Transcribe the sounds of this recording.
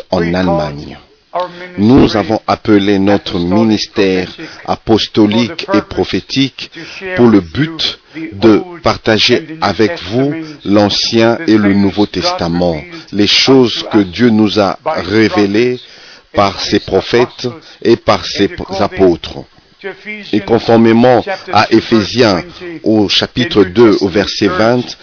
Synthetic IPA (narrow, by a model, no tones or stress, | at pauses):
ɑ̃nalmaɲ | nuzavɔ̃ʔapəlenɔt̪χəminist̪ɛʁa̰pɔst̪ɔlikepχɔfet̪ʰikpuʁləbyt̪d̪əpaʁt̪aʒeavɛkvulɑ̃sjɛ̃elənuvot̪ɛst̪amɑ̃leʃozkəd̪jønuza̰ʁevelepaʁsepχɔfɛt̪epaʁsezapot̪χ | ekɔ̃fɔʁmemɑ̃aʔefezjɛ̃oʃapit̪χəd̪øovɛʁsɛvɛ̃t̪